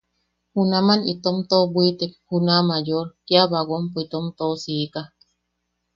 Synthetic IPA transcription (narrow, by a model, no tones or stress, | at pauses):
hunamanit̪omt̪obʷit̪ek̚hunamajoɾkiaβaɣompoit̪omt̪osika